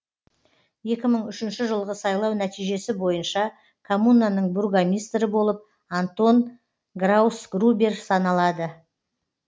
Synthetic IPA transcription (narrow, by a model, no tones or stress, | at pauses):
je̞kʲɪməɴʏʃɪnʃɪʒəlˠʁəsɑjlˠɑwnæt̪ijʒe̞sɪbo̞jənʃɑ | kʰomunːanəɴburɡamʲijst̪ɾɪbo̞lˠəp̚ | ant̪o̞n | ɡrawusɡrubʲersɑnɑlˠɑd̪ə